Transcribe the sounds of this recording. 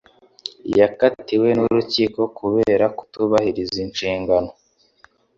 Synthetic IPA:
jakatiwe̞nuɾuciːko̞kʰuβe̞ːɾaku̥tuβahiɾizinʃiːŋɡano

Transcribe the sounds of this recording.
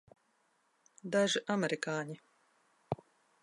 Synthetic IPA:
d̪aʒɨʔamɛɾikaːɲi

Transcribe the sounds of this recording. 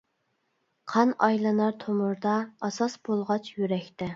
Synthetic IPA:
qʰɑnɑjlˠɨnɑɾt̪ʰomʊɾd̪ɑːsɑsb̥olˠʁɑt͡ʃʰjyɾɛkʲt̪ɛ

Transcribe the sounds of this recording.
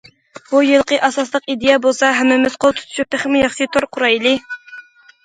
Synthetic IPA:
bujɨlˠqʰəʔɑsɑslˠəqid̪ejɛbolˠsɑɦɛmːɪmɪz̥qʰolˠt̪ʰu̥t̪ʰu̥ʃʰup̚t̪ɪχmɪjɑχʃit̪ʰoɾqʰʊɾɑjlˠɨ

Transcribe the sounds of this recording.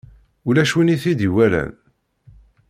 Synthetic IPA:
ulæʃwiniθid̪iwælæ̰n

